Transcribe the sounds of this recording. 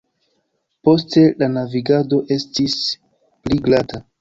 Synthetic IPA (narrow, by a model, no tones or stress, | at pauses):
po̞ste̞lanaviɡado̞ʔe̞stis | pliɡlata